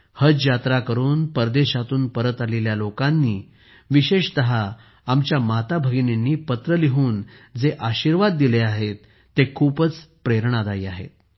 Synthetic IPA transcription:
həd͡zjat̪ɾakəɾuːnpəɾd̪eɕat̪uːnpəɾət̪aleljalokanːiː | ʋiɕeɕt̪əɦaː | mt͡ɕjamat̪abʱəɡnenːiːpət̪ɾəliɦuːnd͡zeʔaɕiːɾʋad̪ːileaɦet̪ː | ekʰuːpət͡spɾeɾɳad̪aiːaɦḛt̪̚

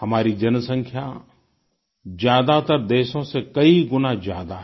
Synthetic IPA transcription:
ɦɐmaːɾid͡ʒɐnsə̃ŋkʰja | d͡ʒjaːd̪at̪əɾd̪eːʃõsekɐiɡʊnad͡ʒjaːd̪aɦ

